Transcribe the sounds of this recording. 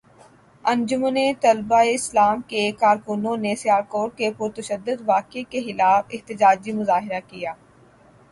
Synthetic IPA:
ə̃nd͡ʒʊmnet̪ɐlbaːeɪslaːmkekaːɾkʊnõnesɪjaːɾkoːɾkepʊɾt̪əʃəd̪ːʊd̪ʋaːkekexɪlaːfɪht̪ɪd͡ʒaːd͡ʒimʊzaːɦɪɾakijaː

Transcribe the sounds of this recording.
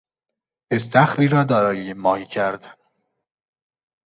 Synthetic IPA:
est̪ʰæxɾiːɾɒːd̪ɒːɾɒːjejemɒːhiːcʰæɾd̪æn

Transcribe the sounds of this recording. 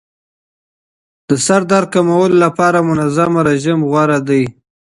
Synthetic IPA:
d̪̥əsaɾd̪aɾ̚kamawəlolapɑɾamʊnazamaɾaʒimɣwaɾad̪əj

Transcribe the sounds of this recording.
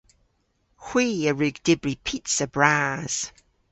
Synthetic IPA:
hw̥iːəɹʉːɡd̥ɪbɹipʰitsəbɹaːz̥

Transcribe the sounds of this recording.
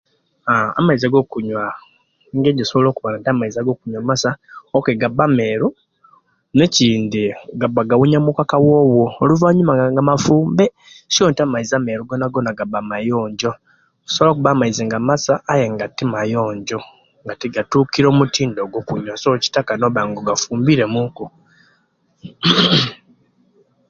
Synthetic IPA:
aa̰maizaɡo̞ːkuɲwa | ŋɡeɟisoβolo̞ːkuβanantamaizaɡokuɲwamasaokeɡabːame̞ːɾu | neciːndiɡabːaɡawuɲamukakawo̞ːwoːluvaɲumaaŋɡamafuːmbe | sjoːntamaizameɾuɡonaɡonaɡabamajoːɲɟo̞ | ku̥soβlakuβamaizeŋɡamasaːjeŋɡatimajoːɲɟo̞ | ŋɡatiɡatuːkiɾo̞mutʰiːndoɡokuɲwasoci̥takanoβaːŋɡoɡafuːmbiɾe̞muŋku

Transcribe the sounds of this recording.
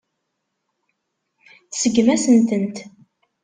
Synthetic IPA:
θsəɡmæsənt̪ənt̪

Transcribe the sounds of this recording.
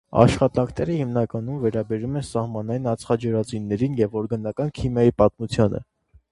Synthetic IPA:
ɑ̰ʃχɑt̪ɑŋkʰnɛɾəhimnɑkɑnumvɛɾɑbɛɾumɛnsɑhmɑnɑjinɑt͡sʰχɑd͡ʒəɾɑt͡sunːɛɾinjɛvɔɾɡɑnɑkɑnkʰimjɑjipɑt̪mut͡sʰjɑnə̰

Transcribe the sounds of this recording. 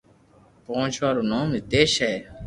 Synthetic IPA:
põːt͡ʃʰʋaːɾuːnãːmit̪eːʃɛː

